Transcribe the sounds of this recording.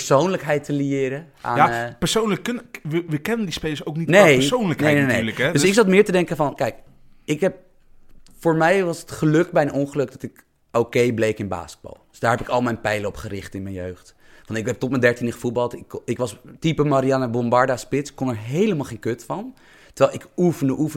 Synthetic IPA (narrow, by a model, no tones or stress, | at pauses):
pəɹsownləkɦɛjtəliɪːɾə | a̰ːjapəɹsownləkːnʋəkɛnəndispejləsowknitnejownləkneɛjneneləkɛdøsɪksɑtmɪːɹtədɛŋkəfɑnkɛjk | ɪkɦɛp̚ | fʊːɹmɛjʋɑsətχəløkbɛjənɔnχəlɵk̚dɑtɪk | owkejblejkɪnba̰ːskəd̚bo̰lˠdøsd̥aːɹɦɛpɪkɑlˠmɛjnpɛjləɔpχəɾɪχtɪnmɛjnjøɥχt | fɑnɪkɛp̚tɔtmɛndɛɹtinəχəfut̚bɑlˠtɪkɪkʋɑstipəmaɾijanəbɔmbɑɹdaspɪtsɪ̥kːɔnəɹɦejləmalˠχejnkøtfɑn | təɹʋɛlˠɪkufəndəʔufə